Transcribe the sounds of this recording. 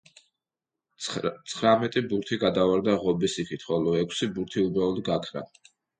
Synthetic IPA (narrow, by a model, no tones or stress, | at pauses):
t̪sʰχɾamɛt̪ʼibuɾt̪ʰiɡad̪avaɾd̪aʁɔbisikʰit̪ʰχɔlɔɛkʰsibuɾt̪ʰiubɾaɔd̪ɡakʰɾa̰